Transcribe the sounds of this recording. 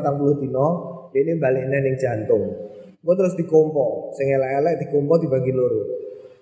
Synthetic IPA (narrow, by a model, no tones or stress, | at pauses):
t̪aŋpulʊht̪inɔjenimbalɪʔnɛhnɪŋd͡ʒ̥a̤nt̪ʊŋ | ɡuɔt̪əɾʊs̬d̪̥i̤kompɔsɪŋelɛʔɛlɛʔd̪̥ikɔmpɔd̪ibaɡiloɾu